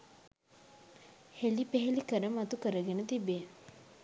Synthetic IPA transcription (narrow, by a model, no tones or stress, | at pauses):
helipeɦelikəɾəmat̪ukəɾəɡenət̪ibe